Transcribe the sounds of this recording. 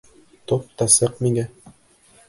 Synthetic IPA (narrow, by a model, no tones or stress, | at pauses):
t̪op̚t̪ɑsɤqmiŋæ